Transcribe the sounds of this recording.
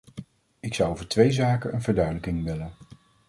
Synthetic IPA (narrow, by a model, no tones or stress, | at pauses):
ɪksɑwowvəɹtʋejzaːkənənvəɹdœɥdələkɪŋʋɪlən